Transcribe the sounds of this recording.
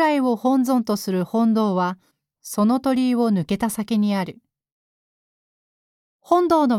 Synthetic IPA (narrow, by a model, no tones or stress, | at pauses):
aio̞hõ̞nd͡zõ̞nt̪o̞sɨɾɯ̟hõ̞nd̪o̞ːβa | so̞no̞t̪o̞ɾʲiβo̞nɯ̟ke̞t̪asakʲeɲ̟iaɾɯ̟ | hõ̞nd̪o̞ːno̞